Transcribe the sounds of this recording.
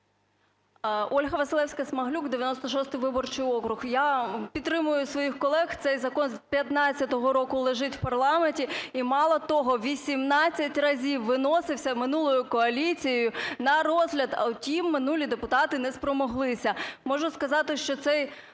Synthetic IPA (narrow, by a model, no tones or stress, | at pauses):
ɔlʲɦɐʋɐsɨlˠɛwsʲkɐsmɐɦlʲukd̪eɪʋʲjɐnɔst̪ɔʃɔst̪ɪjʋɪbɔrt͡ʃɪjɔkɾʊxjapʲit̪ːɾɪmʊjʊsʋɔjixkɔlˠɛxt̪sɛjzɐkɔnzpʲjɐt̪nɑt͡sʲːɐt̪ɔɦɔɾɔkʊlˠeʒɪtʲwpɐrlˠɑmenʲtʲiimɑlˠɐt̪ɔɦɔʋʲisʲimnɑt͡sʲːɐtʲrɐzʲiwːɪnɔsɪwsʲɐmɪnulˠɔjʊkɔɐlʲit͡sʲijjʊnɐɾɔzɦlʲɐd̪ɐ̰ʊtʲimːɪnulʲid̪epʊt̪ɑt̪ɪnɛspɾɔmɔɦlˠɪsʲɐmɔʒʊskɐzɑt̪ɪʃt͡ʃɔt̪sɛj